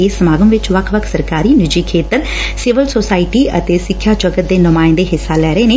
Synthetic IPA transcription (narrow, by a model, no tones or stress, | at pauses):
eːsəmaːɡəmʋɪt͡ʃʋəkʰʋəkʰsəɾkaːɾiːnɪd͡ʒiːkʰeːt̪əɾ | sɪʋəlsoːsaːɪʈiːʔə̰t̪eːsɪkʰːjaːd͡ʒəɡət̪̚d̪eːnʊmaːɪ̃nd̪eːɦɪsːaːlɛːɾəeːneː